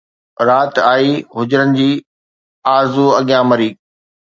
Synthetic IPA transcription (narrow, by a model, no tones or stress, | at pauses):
ɾaːt̪aːiɦʊd͡ʑɾənɪ̆d͡ʑiː | aːɾzuɐɠijãmɐɾiː